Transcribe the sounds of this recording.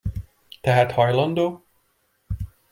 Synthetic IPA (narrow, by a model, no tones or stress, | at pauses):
t̪ɛɦæt̪hɑjlɑnd̪oː